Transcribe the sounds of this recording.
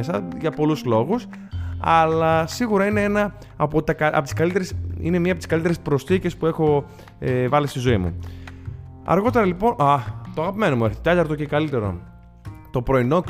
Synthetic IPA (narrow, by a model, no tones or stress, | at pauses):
sɐʝɐpo̞luzlo̞ɣus | ɐ̰lɐsiɣuɾɐineenɐ | pot̪ɐkɐʔɐ̰ot̪i̥skɐlit̪e̞ɾesḭnemiɐpot̪iskɐlit̪eɾespɾo̞sθice̞spue̞xo̞ | vɐlist̪izo̞imṵ | ɐ̰ɾɣo̞t̪e̞ɾɐlipo̞nʔɐt̪oɐɣɐpime̞nomueçθit̪et̪ɐɾt̪oce̞kɐlit̪e̞ɾo̞̰ | t̪opɾo̞ino̞k